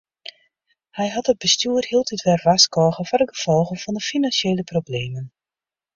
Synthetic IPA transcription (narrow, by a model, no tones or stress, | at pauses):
hɛjɦɑtəd̚bəstyərhiəlˠtʰitʋɛrʋaskɔːɣənfʊːdəɡəv̥ɔlˠɣəvɑndəfinɑnsjeːləprobleːmən